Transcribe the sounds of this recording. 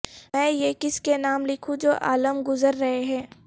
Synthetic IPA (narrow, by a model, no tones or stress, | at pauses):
mɛ̃ːjekɪskenaːmlɪkʰũd͡ʒoːʔa̰ːləmɡʊzəɾːɐɦeɦɛ̃ː